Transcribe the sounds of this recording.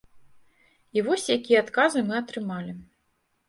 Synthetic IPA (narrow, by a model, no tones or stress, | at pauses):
ivɔsʲjakʲijɛat̪kazɨmɨɐt̪ɾɨmalʲi